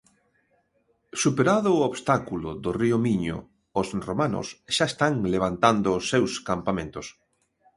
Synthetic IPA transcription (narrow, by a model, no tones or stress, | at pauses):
supeɾaðʊoβst̪akulʊðoriomiɲo̰ | osromano̰sʃaest̪aŋleβ̞ant̪and̪oːsːewskampamẽnt̪os